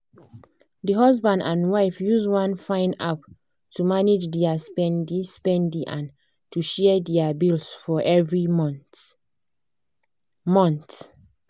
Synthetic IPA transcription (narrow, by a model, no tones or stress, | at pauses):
dəɦʌzbãndãnwaɪfjuzwãnfãɪ̃nda̰p | tʰumaned͡ʒdiaspɛ̃ndispɛ̃ndiʔãn | tʰuʃɛdiabilsfɔʔɛvɹi | mɔ̃nt